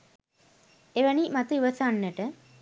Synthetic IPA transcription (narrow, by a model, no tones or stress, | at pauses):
eʋænimat̪əiʋɐsanːəʈə